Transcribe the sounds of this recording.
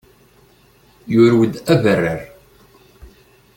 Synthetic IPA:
jʊɾwəd̪ævərːəɾ

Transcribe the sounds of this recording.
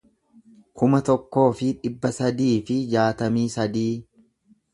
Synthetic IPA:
kʊmɐt̪ɔkːo̞ːfɪᶑɪbːɐsɐd̪iːfɪd͡ʒaːt̪ɐmiːsɐd̪iː

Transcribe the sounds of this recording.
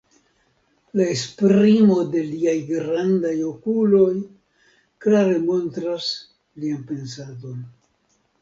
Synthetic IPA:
lae̞spɾimo̞de̞liajɡɾandajo̞kulo̞j | klaɾe̞mo̞ntɾas | lianpe̞ns̬ado̞n

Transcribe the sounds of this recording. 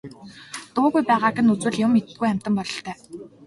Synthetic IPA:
t̪ʊːɣujpæːʁaːkɘ̆nut͡swɘ̆ɮjʊmːet̪ɘ̥̆ɡujæm̥ʲt̪ə̆mpɔɮɞ̆ɬt̪ʰœː

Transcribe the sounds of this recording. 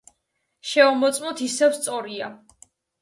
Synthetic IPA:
ʃɛɔmɔt̪sʼmɔt̪ʰisɛvst̪sʼɔɾia

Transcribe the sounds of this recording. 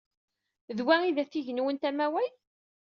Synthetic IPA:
ðwæiðæθiʝnwənt̪æmæwæj

